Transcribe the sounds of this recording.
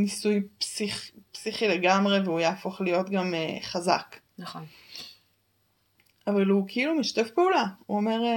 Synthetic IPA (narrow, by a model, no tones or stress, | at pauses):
nisujpsiχpsiχile̞ɡamʁe̞veujaːfo̞χlijo̞t̪ɡameχaza̰k | non | ʔavalukʰeilumiʃt̪efpeulauome̞ʁ